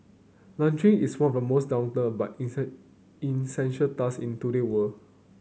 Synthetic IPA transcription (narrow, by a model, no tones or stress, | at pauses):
lãnt͡ʃɹĩŋiswãnɔfdəmosdãw̃ntə̃ba̰t | ĩnsɛ̃nʃətasĩntuɾewəl